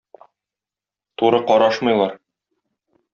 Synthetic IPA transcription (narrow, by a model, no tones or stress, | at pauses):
t̪uɾɤqɒɾɑʃmɤ̆jlˠɑɾ